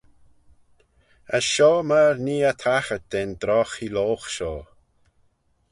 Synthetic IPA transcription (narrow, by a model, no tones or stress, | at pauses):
əsʃɔːməɹniːət̪ʰaxət̚d̪̥end̪ɾɔxiloːxʃɔː